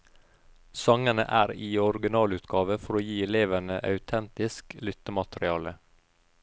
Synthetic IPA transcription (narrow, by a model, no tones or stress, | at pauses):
sɑŋənə̰ʔæːɾiːɔɾɡɪnɑːlʉːt̪ɡɑːʋəfɔɾoːjiːɛleːʋænəʔɑ̰ʉt̪ʰɛnt̪ɪsklʏt̪əmɑt̪ɾɪɑːlə